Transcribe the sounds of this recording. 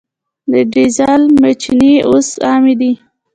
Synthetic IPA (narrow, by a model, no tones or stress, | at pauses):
d̪əɖizalmat͡ʃiniosɑmid̪i